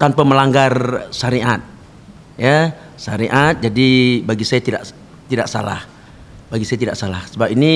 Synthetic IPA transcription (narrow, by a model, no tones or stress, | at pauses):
t̪anpəməlaŋɡarsaɾiat̪̚ | ja | saɾiʔat̪̚d͡ʒadibaɡisajat̪ida̰ʔ | t̪idaʔsa̰la̰h | baɡisajat̪idaʔsala̰hsəbapini